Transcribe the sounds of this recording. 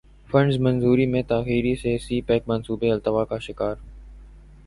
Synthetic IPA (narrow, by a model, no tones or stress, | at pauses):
fə̃ɳɖzmənzuːɾiːmẽːt̪aːxiːɾiːseːsiːpɛːk̚mənsuːbeːɪlt̪əʋaːkaːʃɪkaːɾ